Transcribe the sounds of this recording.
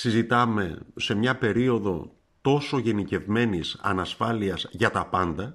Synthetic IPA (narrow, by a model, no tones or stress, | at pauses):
sizit̪ɐme̞se̞mɲɐpe̞ɾio̞ðo̞̰ | t̪o̞so̞ʝe̞nice̞vme̞nisɐ̰nɐsfɐliɐzʝɐt̪ɐpɐnd̪ɐ